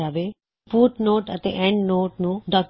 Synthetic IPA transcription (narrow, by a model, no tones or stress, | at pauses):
aːʋe | fuːʈnoːʈɐt̪ḛ̃ʔɛ̃ːɳɖnoːʈnũːɖaːk